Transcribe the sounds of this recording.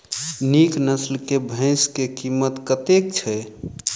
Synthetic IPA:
niknəslkebʱə̃ɪ̃skekimːət̪kət̪ek̚t͡ʃʰɛ

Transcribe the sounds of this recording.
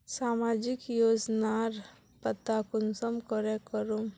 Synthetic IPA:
saːmaːd͡ʒikjoːd͡ʒnaɾ | pət̪akʊnsəmkɔɾekəɾum

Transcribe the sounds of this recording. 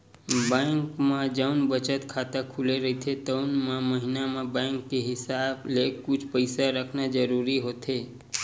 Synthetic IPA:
bãŋkmãd͡ʒəʊnbət͡ʃət̪kʰaːt̪akʰuleɾəit̪ʰet̪əʊnmãməɦɪnamãbãŋkːeɦɪsaːblekʊt͡ʃʰpəɪsaɾəkʰnad͡ʒəɾuɾiɦoːt̪ɦe

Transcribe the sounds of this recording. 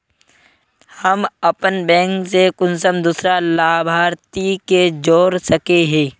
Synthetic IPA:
həmɐpənbɛ̃ːŋksekʊnsəmd̪uːsɾalaːbʱaːɾt̪iked͡ʒoːɾsəkeɦɛ̃ː

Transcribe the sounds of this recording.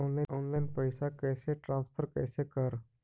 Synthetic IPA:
oːnlaɪnoːnlaɪnpəɪsakɛːseʈɾãːnspʰəɾkɛːsekəɾ

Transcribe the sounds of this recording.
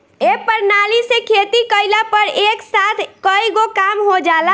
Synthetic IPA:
epəɾnalisekʰet̪ikəɪlapəɾeksat̪ʰkəiɡokamɦod͡ʒala

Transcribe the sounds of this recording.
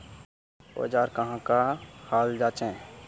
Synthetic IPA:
o̰ːd͡ʒaːɾkɐɦãkahaːld͡ʒaːt͡ʃẽː

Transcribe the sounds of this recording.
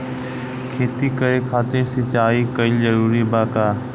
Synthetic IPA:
kʰeːt̪ikɐɾekʰaːt̪ɪɾsɪt͡ʃaːikɐizɐɾuːɾibaːkaː

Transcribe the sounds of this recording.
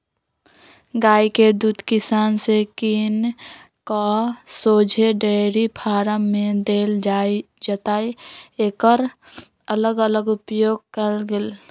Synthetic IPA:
ɡaːiked̪uːd̪kɪsaːnsekiːn | kasoːd͡ʒʱeɖeɾipʰaːɾəmːẽd̪eːld͡ʒai | d͡ʒət̪aːieːkəɾ | ələɡələɡʊpjoːɡkəlɡel

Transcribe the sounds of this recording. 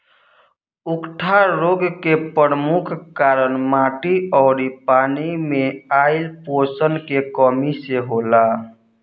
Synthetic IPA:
ʊkʈʰaɾoɡkepəɾəmukʰkaːɾənmaʈiɔːɾipaːnimẽaɪlposənkekɔmiseɦola

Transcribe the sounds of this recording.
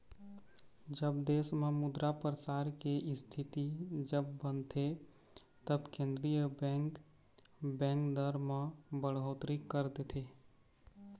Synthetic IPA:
d͡ʒəbd̪eːsmẽmʊd̪ɾapɾəsaːɾkeʔɪst̪ʰit̪id͡ʒəbːənt̪ʰe | t̪əbkẽːnd̪ɾijəbɛ̃ŋk | bɛ̃ːŋkd̪əɾmẽbəɽɦoːt̪ɾikːəɾd̪et̪ʰe

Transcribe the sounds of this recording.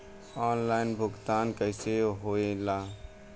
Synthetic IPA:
ɔːnlaːɪnbʱʊɡt̪aːnkəɪseɦoːelaː

